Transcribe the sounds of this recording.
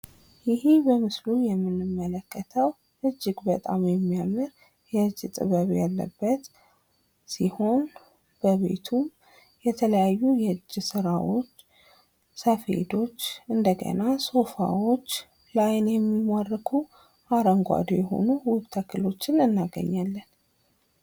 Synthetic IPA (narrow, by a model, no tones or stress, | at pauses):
jɪhibəmɨslujɛmːɨnɨmːələkːət̪ʰəw | ʔɨd͡ʒːɪɡbət̪ʼamjɛmːijamɨɾ | jɛɨd͡ʒːɨt̪ʼɨ̰βəβjalːə̰bːət̪ | siho̞n | b̥əβe̞̰t̪ʰum | jɛt̪ʰələjajːujɛɨd͡ʒːɪsɨɾawot͡ʃː | səfḛd̪o̞t͡ʃːɨnd̪əɡə̰naso̞fa̰wo̞t͡ʃː | lajnjɛmːimarːɨkʰu | aɾəŋɡʷa̰d̪ojɛɦo̰nuwʊβt̪ʰəkʰɨlo̞t͡ʃːɪnɨnːaɡə̰ɲːalːən